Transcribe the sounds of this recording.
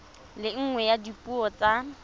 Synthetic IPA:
lɪŋ̩ŋwɛjadipʼuɔt͡sʼa

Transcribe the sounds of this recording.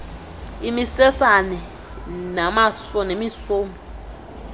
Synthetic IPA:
imisɛsanɛ | namasɔnemisoːmɔ

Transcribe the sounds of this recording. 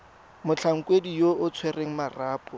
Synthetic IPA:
mʊt͡ɬʰaŋ̩kwedijoʔʊt͡sʰwereŋ̩maraːpʊ

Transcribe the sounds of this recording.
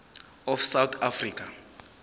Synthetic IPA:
ɔfsawt̪ʰafriːk̬ʰʼa

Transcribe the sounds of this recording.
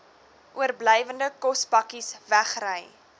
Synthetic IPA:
ʔuərbləjvəndəkɔsbɐkisvæχrəj

